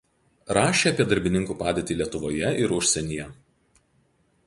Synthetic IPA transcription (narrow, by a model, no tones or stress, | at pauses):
ɾɑːʃʲeːɐpʲiɛd̪ɐɾʲbʲɪnʲɪŋkuːpɑːd̪ʲeːt̪ʲiːlʲiɛt̪ʊʋoːjɛʔɪɾʊʃʲsʲɛnʲijɛ